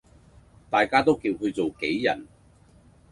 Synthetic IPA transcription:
t̪aː˨jkaː˥t̪o˥wkiː˧wɦɵ˧ɥt͡so˨wke˨˥jːɐ̰˨˩n

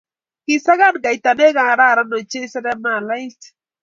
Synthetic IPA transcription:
ki˨sa˦ɡa˦nɡa˨i˨ta˨ne˦ɡa˨ɾa˦˨ɾa˦nɔ˨t͡ʃe˦sa˦da˦ma˨la˦i˦t

